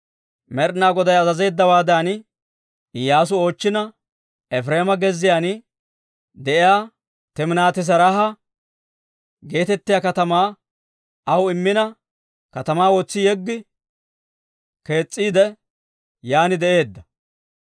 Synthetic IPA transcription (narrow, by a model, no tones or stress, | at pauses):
mɛɾnaːɡɔd̪ɐjɐzɐze̞ːd̪ːɐwaːd̪an | ɪjːaːs̬ʊo̞ːt͡ʃːɪnɐ | ɛfɾeːmɐɡɛzːɪjaːn | d̪ɛʔɪjaː | t̪ɛmnaːt̪ɪs̬ɐɾɐɦɐ | ɡe̞ːt̪ɛt̪ːɪjaːkɐt̪ɐmaː | ɐwɪmːɪnɐ | kɐt̪ɐmaːwɔt͡sːɪjɛɡːɪ | ke̞ːt͡sʼːiːd̪ɛ | jaːnɪd̪ɛʔe̞ːd̪ːɐ